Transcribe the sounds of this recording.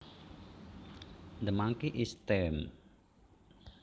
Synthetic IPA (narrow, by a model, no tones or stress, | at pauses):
nd̪əmaŋkiʔist̪ɛm